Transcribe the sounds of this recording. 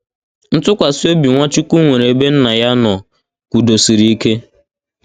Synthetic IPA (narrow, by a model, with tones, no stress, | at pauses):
n̩˦tʊ˦kʷa˨si˦o˦bi˨ŋʷa˦t͡ʃi˦kʷu˦ŋʷe˨ɾe˨e˨be˦n̩˦na˨ja˦nɔ˨ | kʷu˨do˨si˨ɾi˦i˦ke˦